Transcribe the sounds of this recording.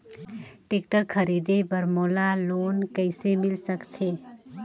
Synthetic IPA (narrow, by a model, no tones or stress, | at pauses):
ʈeːk̚ʈəɾkʰəɾiːd̪ebəɾmoːlaloːnkəɪsemɪlsəkt̪ʰeː